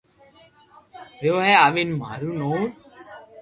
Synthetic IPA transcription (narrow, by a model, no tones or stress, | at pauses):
ɾjoːɦɛːaːʋinma̰ːɾuːnoːɾ